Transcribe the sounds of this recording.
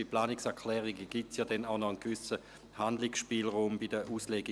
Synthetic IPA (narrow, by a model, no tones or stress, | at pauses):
iplaːnɪksɛɐkʰlɛːʁiɡəɡ̥itsjaːdɛnaʊnɔənɡvʏsə | handlɪksʃpiːlʁuːmbidəʔuːsleɡi